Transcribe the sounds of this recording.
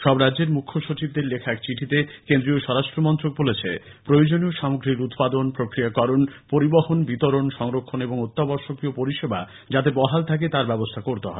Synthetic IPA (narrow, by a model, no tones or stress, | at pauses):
ʃɔbɾadd͡ʑeɾmukʰːoʃut͡ɕib̚d̪eɾlekʰaɛkt͡ɕiʈʰit̪ekend̪ɾioʃɔɾaʃʈɾomɔnt̪ɾok̚bolet͡ɕʰḛpɾojod͡ʑonioʃamoɡɾiɾut̪pad̪onpɾokɾiakɔɾonpoɾibɔhonbit̪oɾonʃɔŋɾokʰːoneboŋot̪ːabɔɾʃokiopoɾiʃeba | d͡ʑat̪ebɔɦalt̪ʰak̬et̪aɾbɛbost̪ʰakoɾt̪eɦɔ̰e